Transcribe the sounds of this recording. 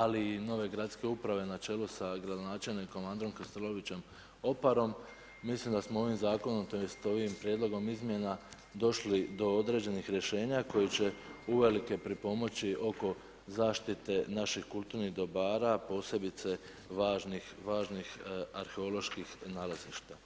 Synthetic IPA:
aliːno̞ːʋe̞ɡɾat̪ske̞upɾaʋe̞nat͡ʃe̞ːlusaɡɾad̪o̞naːt͡ʃe̞lniko̞mand̪ɾo̞mkɾest̪elo̞ʋit͡ɕe̞m | o̞paɾo̞mː | islimd̪asmoo̞ʋimzaːko̞nomt̪ost̪o̞ʋimpɾjed̪lˠo̞ɡo̞mizmje̞na | d̪o̞ʃlid̪o̞o̞d̪ɾe̞ːd͡ʑe̞nixɾje̞ʃe̞ːɲako̞jit͡ɕe̞uʋe̞like̞pɾipo̞mo̞t͡ɕiʔo̞ko̞ | zaːʃt̪it̪e̞naʃixkulˠt̪uːɾniɣd̪o̞baːɾapo̞ːse̞bit̪se̞ | ʋaːʒnixʋaːʒnixaɾxeo̞lo̞ʃkixnaːlaziʃt̪a

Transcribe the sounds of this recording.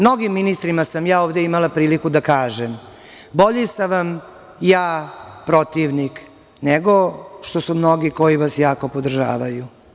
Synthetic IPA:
mno̞ɡimːinist̪ɾimasamjaːoːʋd̪e̞imalapɾiːlikud̪akaːʒem | bo̞ʎisaʋam | jaːpɾo̞t̪iʋnik | neɡo̞ʃt̪o̞sumno̞ɡiko̞jiʋasjaːko̞pod̪r̩ʒa̰ːʋaju

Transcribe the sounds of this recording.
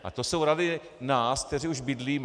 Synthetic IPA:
ʔa̰t̪osowɾadɪnaːskt̪ɛriuʒbɪdliːm

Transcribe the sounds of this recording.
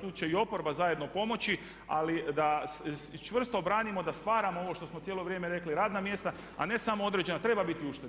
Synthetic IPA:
t̪uːt͡ʃe̞io̞po̞ɾbazaje̞d̪no̞po̞mo̞t͡ɕi | a̰lid̪ast͡ʃʋr̩st̪obɾaːnimo̞d̪ast̪ʋaːɾamoo̞ʋo̞ʃt̪o̞smojelo̞ʋɾje̞meɾe̞kliɾaːd̪namje̞st̪a | a̰ne̞samo̞o̞d̪ɾed͡ʑe̞nat̪ɾe̞babit̪iuʃt̪e

